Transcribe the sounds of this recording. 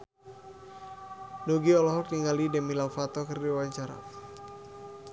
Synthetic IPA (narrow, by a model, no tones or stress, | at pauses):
noɡiɔlɔɦɔk̚niŋalidɛmilawfat̪ɔkərdiwaɲt͡ʃaɾa̰